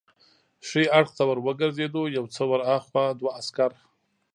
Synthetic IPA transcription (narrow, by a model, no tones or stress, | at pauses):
ʂeaɽxt̪awəɾwəɡəɾzed̪ojawt͡səwaɾaxwad̪waːskaɾ